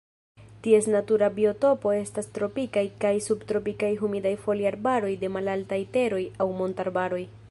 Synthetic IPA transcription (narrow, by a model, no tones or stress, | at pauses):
tie̞snatuɾabio̞to̞po̞e̞stastɾo̞pikajkajsubtɾo̞pikajɦumidajfo̞liaɾbaɾo̞jde̞malaltajte̞ɾo̞jawmo̞ntaɾbaɾo̞j